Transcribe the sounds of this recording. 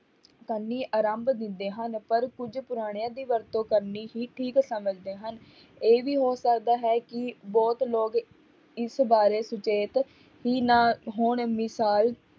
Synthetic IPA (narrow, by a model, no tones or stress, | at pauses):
kənːiːʔaːɾəmbd̪ɪnd̪eːɦənpəɾkʊd͡ʒpʊɾaːɽ̃ɪjãːd̪iːʋəɾt̪õːkəɾniːɦiːʈʰiːksəməd͡ʒd̪eːɦən | eːʋiːɦoːsəkd̪aːɦɛːkɪbɔːt̪loːɡ | ɪsbaːɾeːsʊt͡ʃeːt̪ | ɦiːnãːɦoːɳmɪsaːl